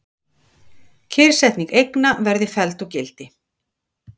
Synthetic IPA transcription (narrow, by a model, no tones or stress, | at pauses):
cʰɪɾ̥sɛht̪niŋkejknavɛɾðɪfɛlt̪ɔwcɪlt̪ɪ